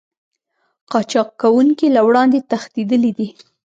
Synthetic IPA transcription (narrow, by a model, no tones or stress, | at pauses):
qɑt͡ʃɑqːawuŋkilawɽɑnd̪et̪axt̪id̪əlid̪i